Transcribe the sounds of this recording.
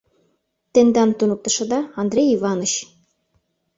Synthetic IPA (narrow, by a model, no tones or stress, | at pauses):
t̪end̪ɑnt̪unuk̚t̪ə̆ʃɤ̆d̪ɑɑnd̪ɾʲejivɑnə̆ɕ